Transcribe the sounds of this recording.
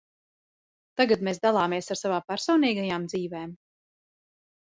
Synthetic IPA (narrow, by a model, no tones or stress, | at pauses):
t̪aɡat̪meːsd̪alˠaːmeɛsaɾsavaːpæɾsɔwniːɡajaːmd̪ziːvɛːm